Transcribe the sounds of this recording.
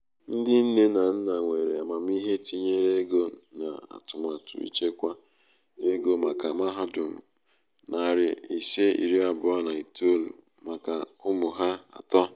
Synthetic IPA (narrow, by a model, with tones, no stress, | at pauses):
n̩˦dɪ˦n̩˦ne˦na˨n̩˦na˨ŋʷe˨ɾe˨a˨ma˨m˦i˦ɦe˦ti˦ɲe˦ɾe˦ɡo˦na̰˨a̰˨tʊ˨ma˨tʊ̰˨ḭ˦t͡ʃe˦kʷa˦ | e˦ɡo˦ma˨ka˨ma˦ɦa˦dʊ˨m̩˨ | na˨ɾɪ˨i˨se˦ḭ˨ɾi˦a˨bʊ˨˦a˦na˨i˨tu˦o˦lṵ˨ | ma˨ka˨ʊ˦mʊ˨ɦa˦a̰˨tɔ˦